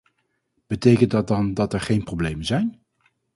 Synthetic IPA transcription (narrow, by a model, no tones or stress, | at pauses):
b̥ətejkənt̚dɑt̚dɑndɑtɛɹχejnproblejmənzɛjn